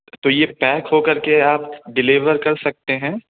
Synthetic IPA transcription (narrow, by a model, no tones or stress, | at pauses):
t̪oːjepɛːkɦokɐɾkeaːp̚ɖɪlɪʋəɾkɐɾsɐk̚t̪eɦɛ̃ː